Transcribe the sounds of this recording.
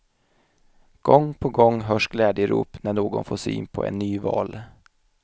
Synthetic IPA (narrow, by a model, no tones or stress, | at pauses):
ɡ̥ɔŋːpʰɔɡɔŋːɦœːʂɡlɛːd̪jəɾṵːpnæɳoːɡɔ̰nfoːʂy̰ːnpʰɔ̰ʔɛ̰nːyːvɑːl